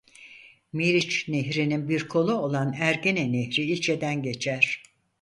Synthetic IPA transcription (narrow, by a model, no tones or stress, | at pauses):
miɾit͡ʃneɦɾininbiɾkʰo̞lˠuolˠanæɾɟenenehɾiilʲt͡ʃʰed̪ænɟe̞t͡ʃʰæɾ̥